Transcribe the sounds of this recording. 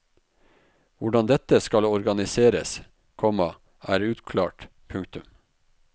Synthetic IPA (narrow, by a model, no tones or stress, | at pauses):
ʋʊɖɑnd̪ɛt̪əskɑlɔɾɡɑnɪseːɾə̰s | kʰɔmɑ | ʔæːɾʉːt̪kʰlɑ̰ːʈ | pʰʉŋkt̪ʉm